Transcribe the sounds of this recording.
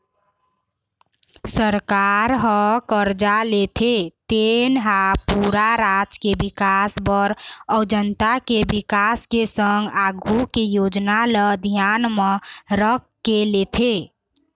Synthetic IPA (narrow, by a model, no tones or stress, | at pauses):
səɾkaɾɦə̃kəɾd͡ʒalet̪ʰet̪enɦapuɾaɾad͡ʒkebikasbəɾəʊd͡ʒənt̪akebikaskesəŋɡaɡʱukejod͡ʒnaləd̪ʱjanməɾəkː | kːelet̪ʰe